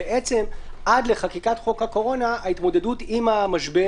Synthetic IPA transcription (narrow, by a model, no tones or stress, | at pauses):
eʔet͡se̞mʔadle̞χakikatχo̞khako̞ʁo̞naːitmo̞de̞dutimamaʃbe